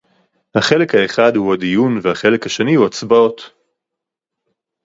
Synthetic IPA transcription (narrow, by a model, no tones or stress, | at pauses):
haχe̞le̞khae̞χadhuhad̪ijunvehaχe̞le̞khaʃe̞nihuat͡sbao̞t̪